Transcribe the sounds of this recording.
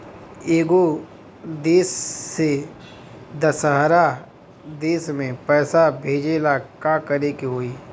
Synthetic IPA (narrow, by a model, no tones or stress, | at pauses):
eːɡo | d̪eːsːe | d̪ɐsɦəɾa | d̪eːsmẽpɛːsabʱeːd͡ʒeːlakakəɾekiɦoːiː